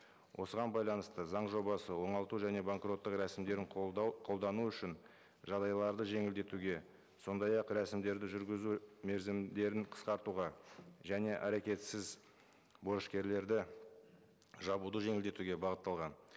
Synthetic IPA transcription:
wʔo̞səʁɑnbɑjlˠɑnəst̪əzɑɴʒo̞bɑsəwo̞ɴɑlˠt̪uʒæne̞baŋkro̞t̪ːəqɾæsɪmd̪e̞ɾɪɴqʰo̞lˠd̪ɑnuʏʃɪn | ʒɑd̪ɑjlˠɑɾd̪əʒe̞ŋɪld̪e̞t̪uɡʲe̞ | so̞nd̪ɑjɑqɾæsɪmd̪e̞ɾd̪ɪʒʏɾɡʲɪzume̞ɾzɪmd̪e̞ɾɪɴqʰə̥sqɑɾt̪uʁɑʒæne̞ʔæɾekʲe̞t̪sɪz | bo̞ɾəʃkʲe̞ɾle̞ɾd̪ɪ | ʒɑbud̪əʒe̞ŋɪld̪e̞t̪uɡʲe̞bɑʁət̪ːɑlˠʁɑn

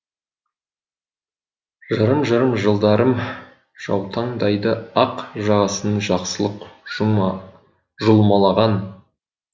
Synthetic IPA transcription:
ʒəɾəmʒəɾəmʒəlˠd̪ɑɾəm | ʒ̥ɑ̰wt̪ʰɑɴd̪ɑjd̪əɑqʒɑʁɑsənəɴʒɑqsəlˠəqʒ | ʒʊlˠmɑlˠɑʁɑn

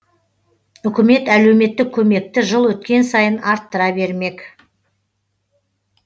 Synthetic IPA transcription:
ʏkʲɪme̞t̪æle̞wme̞t̪ːɪkʲʰːɵme̞k̚t̪ɪʒəlˠwɵt̪̚kʲe̞nsɑjənɑɾt̪ːəɾɑbe̞ɾme̞k

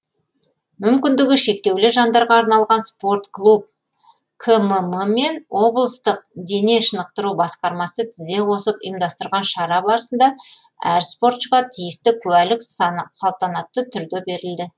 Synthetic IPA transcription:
mʏmkʲɪnd̪ɪɡʲɪʃe̞k̚t̪e̞wlɪʒɑnd̪ɑɾʁɑːɾnɑlˠʁɑnspo̞rt̪klˠup̚ | kʰəməməme̞nwʔo̞blˠəst̪əq̚d̪e̞ne̞ʃənəq̚t̪əɾubɑsqɑɾmɑsət̪ʰɪze̞wo̞səpə̰jmd̪ɑst̪əɾʁɑnʃɑɾɑbɑɾəsənd̪ɑ | æɾspo̞ɾt̪ʃəqɑt̪ʰijɪst̪ɪkʲʰʉælɪksɑlˠt̪ɑnɑt̪ːət̪ʰʏɾd̪e̞be̞ɾɪld̪ɪ

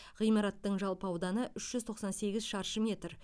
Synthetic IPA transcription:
ʁijmɑɾɑt̪ːəɴʒɑlˠpɑwd̪ɑnəʔʏʃʒ̥ʏzt̪ʰo̞qsɑnse̞ɡʲɪzʃɑɾʃəmʲe̞t̪r

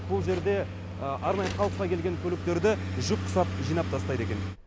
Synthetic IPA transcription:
bʊlˠʒe̞ɾd̪e̞ | ʔɑɾnɑjəχɑlˠəqːɑkʲʰe̞lɡʲe̞ŋkʲʰɵlɪk̚t̪e̞ɾd̪ɪʒʊp̚qʰʊ̥sɑpʒijnɑp̚t̪ʰɑst̪ɑjd̪e̞kʲe̞n

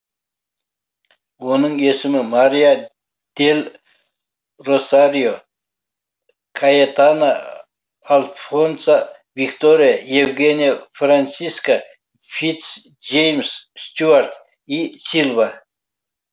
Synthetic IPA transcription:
wonəɴesɪmɪmaɾija | d̪̥e̞lʲ | rosaɾijo | kʰajet̪anaː | lˠfonsa | vikt̪o̞ɾijaje̞vɡʲe̞nʲijafransiska | fit̪s | ʒejmsst̪uart̪ | isilˠva

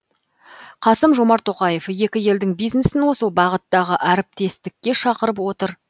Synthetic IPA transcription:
qʰɑsəmʒo̞mɑɾt̪ʰːo̞qɑje̞fje̞kʲɪje̞ld̪ɪŋbijznesɪnwosəlˠbɑʁət̪ːɑʁəʔæɾɪp̚t̪e̞st̪ɪkʲːe̞ʃɑqəɾəpwo̞t̪əɾ

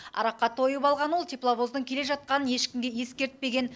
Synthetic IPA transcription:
ɑ̰ɾɑqːɑt̪ʰo̞jəpɑlˠʁɑnwo̞lˠt̪ʰʲiplˠabo̞zd̪əŋkʲʰele̞ʒɑt̪̚qɑnəne̞ʃkʲɪmɡʲeje̞skʲe̞ɾt̪̚pe̞ɡʲe̞n

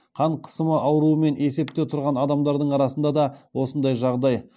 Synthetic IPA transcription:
qʰɑɴqʰə̥səməʔɑwɾuəme̞ne̞se̞p̚t̪e̞t̪ʰʊɾʁɑnɑd̪ɑmd̪ɑɾd̪əɴɑɾɑsənd̪ɑd̪ɑwo̞sənd̪ɑjʒɑʁd̪ɑj

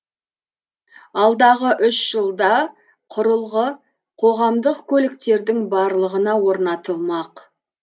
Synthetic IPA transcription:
ɑlˠd̪ɑʁəʔʏʃʒ̥əlˠd̪ɑ | qʰʊɾəlˠʁə | qʰo̞ʁɑmd̪əqkʲʰɵlɪkt̪e̞ɾd̪ɪŋbɑɾlˠəʁənɑwo̞ɾnɑt̪əlˠmɑq

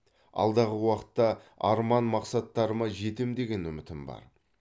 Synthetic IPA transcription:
ɑ̰lˠd̪ɑʁəwɑqə̥t̪ːɑɑɾmɑnmɑqsɑt̪ːɑɾəmɑʒe̞t̪emd̪e̞ɡʲe̞nʏmɪt̪ɪmbɑ̰ɾ

